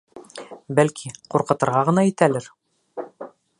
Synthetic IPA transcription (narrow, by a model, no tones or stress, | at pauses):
bælkʰiquɾqɤ̆t̪ɤ̆ɾʁɑʁɤ̆nɑit̪ælɘɾ